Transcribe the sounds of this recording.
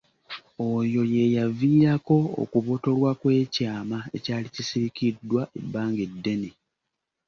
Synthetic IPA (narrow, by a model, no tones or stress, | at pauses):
ojo̞je̞javiːɾako̞o̰kuβo̞to̞lwakwe̞ːcaːmae̞caːlicisiɾikidːwaʔe̞bːaːŋɡe̞dːe̞ne